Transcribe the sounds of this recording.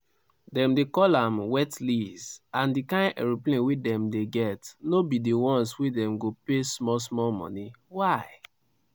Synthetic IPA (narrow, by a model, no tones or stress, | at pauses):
dɛ̃mdekɔlãmwɛtlizãndikãɪ̃nɛ̰ɹiplẽnwedɛ̃mdeɡɛtnobidiwɔ̃nswedɛ̃mɡopesmɔsmɔmɔ̰ni | waɪ